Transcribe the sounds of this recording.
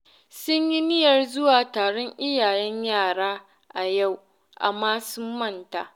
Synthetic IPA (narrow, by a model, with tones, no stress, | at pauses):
sʊ˦ɲji˦nɪ˦jɐ˨rzʊ˦waː˨taː˨ɽɔ˦ɲʔɪ˦jaː˨jɛ˦ɲjaː˦˨ɽaː˦ | ʔa˨ja˦˨w | ʔa̰˨mːaː˦sʊ˦mːɐ˦nta̰˨